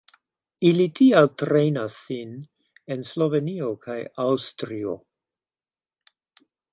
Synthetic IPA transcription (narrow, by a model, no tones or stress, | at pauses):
ilitʰialtɾejnasːin | e̞nslo̞ve̞nio̞kʰajawstɾio̞̰